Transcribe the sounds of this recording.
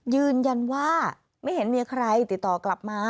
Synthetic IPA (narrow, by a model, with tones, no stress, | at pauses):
jɯː˧nja˧nwaː˥˩ | ma˥˩jhe˩˦nmiː˧kʰɾa˧jt̪i˨˩t̪̚ːɔː˨˩kla˨˩p̚maː˧